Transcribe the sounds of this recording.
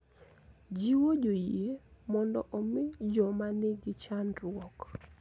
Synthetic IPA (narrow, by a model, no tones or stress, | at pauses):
d͡ʒiwod͡ʒojiemɔndɔ̰ʔɔmɪd͡ʒɔmanɪɡɪt͡ʃanɾwɔk